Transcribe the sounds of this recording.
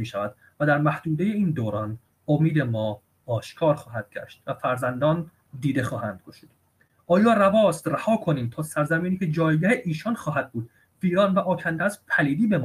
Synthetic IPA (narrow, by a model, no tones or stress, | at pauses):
miːʃævæd̪ | væd̪æɾmæhd̪̥uːd̪e̞je̞iːnd̪oːɾɒːn | omiːd̪e̞mɒː | ʃkʰɒːɾxɒːɦæd̪̥̚ɟæ̰ʃt̪væfæɾzænd̪ɒːn | d̪iːd̪e̞xɒːhænd̪̚ɡoʃiːd̪̥ | ʔɒːjɒːrævɒːst̪ræhɒːkʰo̞niːmt̪ʰɒːsæɾzæmiːniːcʲʰe̞d͡ʒɒːjɡæheʔiːʃɒːnxɒːɦæd̪̚buːd̪ | viːɾɒːnvæʔɒːcʰænd̪ææzpʰæliːd̪iːbe̞mː